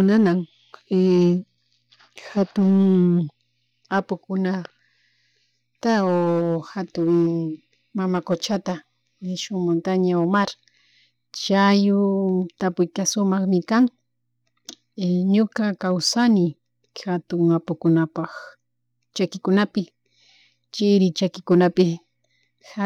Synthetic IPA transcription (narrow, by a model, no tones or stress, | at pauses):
ʊnanaŋ | e | xat̪ʊŋ | apʊkʊna | t̪aoxat̪ʊŋ | mamakot͡ʃat̪a | ʃʊŋmont̪aɲaomaɾ | t͡ʃajʊt̪apʊjkasʊmɑχmɪkaŋ | ɲʊkakawsanɪ | xat̪ʊŋapʊkʊnapɑχ | t͡ʃakɪkʊnapɪ | t͡ʃɪɾɪt͡ʃakɪkʊnapɪ | ha